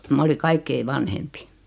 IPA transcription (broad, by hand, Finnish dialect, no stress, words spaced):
mɑ oli kɑikːei ʋɑnhempi